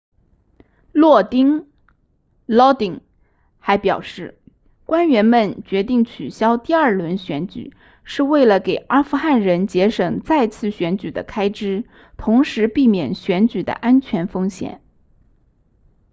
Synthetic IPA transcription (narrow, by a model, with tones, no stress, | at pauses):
lwɔ˥˩t̪i˥ŋ | lɔ˥t̪i˨˩ŋ | xa˧˥ɪpjɑ˨˩ʊʂɻ̩˥˩ | kwa˥nɥɛ˧˥nmə˥˧nt͡ɕɥɛ˧˥t̪i˥˩ŋt͡ɕʰy˨˩ɕjɑ˥ʊt̪i˥˧ɐ˞˥˩lwə˧˥nɕɥɛ˧˥nt͡ɕy̰˨˩ | ʂɻ̩˥˧we˥˩ɪlə˩ke˨˩ɪʔa˥fu˥˧xa˥˩nɻə˧˥nt͡ɕjɛ˧˥ʂɤ˨˩ŋt͡sa˥˧ɪt͡sʰɹ̩˥˩ɕɥɛ˧˥nt͡ɕy˨˩d̪ə̰˦kʰa˥ɪʈ͡ʂɻ̩˥ | t̪ʰʊ˧˥ŋʂɻ̩˧˥pi˥˩mjɛ˨˩nɕɥɛ˧˥nt͡ɕy˨˩d̪ə̰˦ʔa˥nt͡ɕʰɥɛ˧˥nfɤ˥ŋɕjɛ̰˨˩˦n